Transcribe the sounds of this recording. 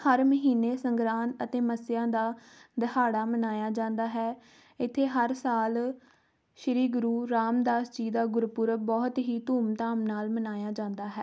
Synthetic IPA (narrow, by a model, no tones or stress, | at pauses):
həɾməɦiːneːsəŋɡɾaːnət̪eːməsɪjãːd̪aː | d̪əhaːɽaːmənaːjaːd͡ʒãːnd̪aːɦɛː | ɪt̪ʰːeːɦəɾsaːl | ʃəɾiːɡʊɾuːɾaːmd̪aːsd͡ʒiːd̪aːɡʊɾpʊɾəbɔːt̪ɦiːt̪uːmt̪aːmnaːlmənaːjaːd͡ʒãːnd̪aːɦɛː